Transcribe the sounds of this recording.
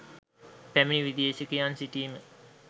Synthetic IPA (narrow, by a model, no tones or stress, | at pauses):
pæminiʋid̪iesekijansiʈiːmə